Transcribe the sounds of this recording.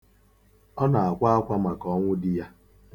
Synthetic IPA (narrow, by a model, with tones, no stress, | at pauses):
ɔ˦na˨a˨kʷa˦a˦kʷa˦ma˨kɔ˦ŋʷʊ˦dɪ˦ja˦